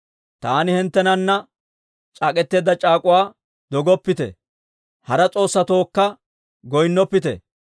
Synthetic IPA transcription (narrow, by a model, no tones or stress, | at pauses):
t̪aːnɪhɛnt̪ːɛnɐnːɐ | t͡ʃʼaːkʼɛt̪ːe̞ːd̪ɐt͡ʃʼaːkʼʊwaː | d̪ɔɡɔpːɪt̪ɛ̰ | hɐɾɐt͡sʼo̞ːsːɐt̪o̞ːkːɐ | ɡɔjnːɔpːɪt̪ɛ̰